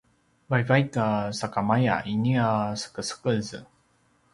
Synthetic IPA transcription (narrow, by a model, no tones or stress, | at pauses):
βajvajt̪asakamaja̰ʔinʲiasḁkɯsɨ̥kɯzɨ